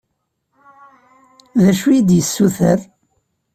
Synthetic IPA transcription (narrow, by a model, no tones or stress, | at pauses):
ðæʃujid̪jəsːuθəɾ